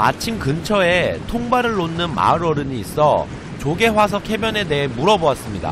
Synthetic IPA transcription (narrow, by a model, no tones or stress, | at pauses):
a̰t͡ɕʰimkɯnt͡ɕʰʌe̞tʰoŋbaɾɯɭːonːɯnma̰ɯɾʌɾɯɲiːs͈ʌ | t͡ɕoɡe̞was̬ʰʌkʰe̞bjʌne̞de̞ɦe̞muɾʌboas͈ɯmɲida̰